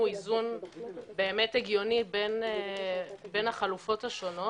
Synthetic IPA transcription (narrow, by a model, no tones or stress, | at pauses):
uizunbe̞ːme̞teɡjo̞nibe̞n | be̞naχalufo̞thaʃo̞no̞